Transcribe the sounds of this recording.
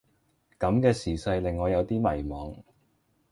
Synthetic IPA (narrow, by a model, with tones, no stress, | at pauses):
kɐ˨˥mkɛː˧siː˨˩sɐ˧jlɪ˨ŋːɔː˨˧jɐ˨˧wt̪iː˥mɐ˨˩jmɔː˨˥ŋ